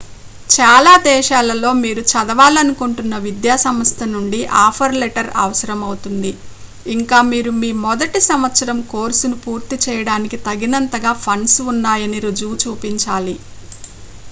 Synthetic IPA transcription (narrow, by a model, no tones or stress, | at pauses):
t͡ʃaːlaːd̪ɛːʃaːlɐlo̞ːmiːɾut͡ʃɐd̪ɐʋaːlɐnukuɳʈunːɐʋid̪jaːsɐmɐst̪ʰɐnuɳɖiʔaːpʰɐɾlɛʈɐɾɐ̰ʋɐsɐɾɐmɐwut̪und̪iː | ŋkaːmiːɾumiːmɔd̪ɐʈisɐmʋɐt̪sɐɾɐmkoːɾsunupuːɾt̪it͡ʃɛːjɐɽaːnikit̪ɐɡinɐnt̪ɐɡaːpʰɐɳsunːaːjɐniɾud͡ʒuːt͡ʃuːpiɲt͡ʃaːli